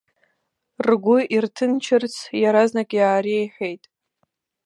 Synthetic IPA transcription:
rɡʷʊirtʰɨnt͡ʃʰɪrt͡sʰjaɾaznakʼjaːɾiejħʷᶣe̞jtʼ

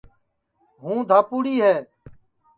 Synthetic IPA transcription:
ɦũːd̪ʱaːpuːɽiːɦɛː

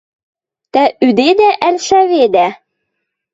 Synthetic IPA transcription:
t̪æyd̪ed̪æʔælʃæβed̪æ

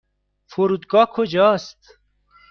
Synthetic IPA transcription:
foɾud̪ɡɔːkʰod͡ʒɔst̪

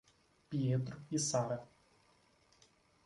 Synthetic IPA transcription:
pʲiet̪ɾʊisaɾɐ

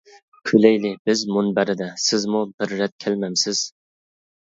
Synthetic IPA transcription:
kʲʰylajlɪbɪzmʊnbæɾɪd̪asɪzmʊbɪɾːat̪̚kʲʰælmamsɪz̥

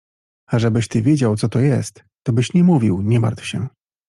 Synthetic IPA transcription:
aʐɛbɘɕt̪ɘvʲjed͡ʑawt̪sɔt̪ɔjɛst̪ːɔbɘɕɲɛmuvʲiwɲɛma̰ɾt̪fɕɛ

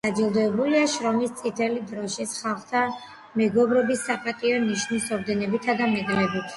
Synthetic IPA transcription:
sad͡ʒilˠd̪ɔɛbuliaʃɾɔmist̪sʼit̪ʰɛlid̪ɾɔʃisχalˠχt̪ʰa | mɛɡɔbɾɛbisːapʼat̪ʼiɔniʃnisɔɾd̪ɛnɛbit̪ʰad̪amɛɡɾɛbit̪ʰ

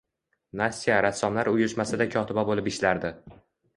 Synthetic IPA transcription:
nasʲːijaɾasːɒmlaɾʊjɪʃmasɪd̪akʲʰɒt̪ʰɪbabolɪpɪʃlaɾd̪ɪ

